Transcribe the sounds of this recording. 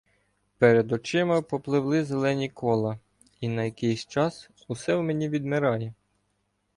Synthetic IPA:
pɛɾed̪ɔt͡ʃɪmɐpɔplˠɪwlˠɪzelˠɛnʲikʰɔlˠɐ | inɐjɐkɪjsʲt͡ʃɑs | usɛwmenʲiʋʲid̪meɾɑjɛ

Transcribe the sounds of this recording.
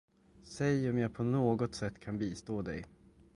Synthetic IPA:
sɛjɔmjaːpʰɔnoːɡɔt̪sɛt̪ːkʰanbiːst̪oːd̪ɛ̰j

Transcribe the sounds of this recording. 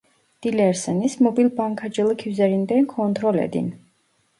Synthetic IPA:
d̪̥ilɛɾsɛnismɔbilbaŋkʰad͡ʒɛlˠkʰiwzɛɾind̪ɛnkʰɔnt̪ʰɾɔlɛ̰d̪ḭn

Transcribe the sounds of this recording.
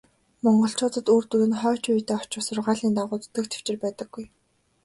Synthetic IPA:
mɔɴɢɞ̆ɬt͡ɕʊːt̪ə̆t̪uːrt̪uɾɘ̆nχœːt͡ɕujt̪eːɔt͡ɕʊ̆wsʊrʁaːɮiːnt̪aʁʊːt̪ɵ̥t̪ɘ̆kt̪ʰe̥w̥t͡ɕɪ̆rpæːt̪ə̆ɡ̥ːuj

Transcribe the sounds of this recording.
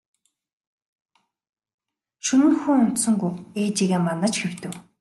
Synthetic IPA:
ʃɵnɘ̆nxuŋʊn̥t̪sɵ̆ŋɡuweːt͡ɕiːɣeːmanə̆t͡ɕxew̥t̪ɘ̆w

